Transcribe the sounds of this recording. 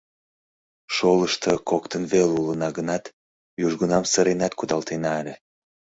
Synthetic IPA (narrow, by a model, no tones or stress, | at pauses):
ʃoləʃt̪əkokt̪ənβelulənɑɣənɑt̪ | juʒɣunɑmsəɾenɑt̪kud̪ɑlt̪enɑelʲe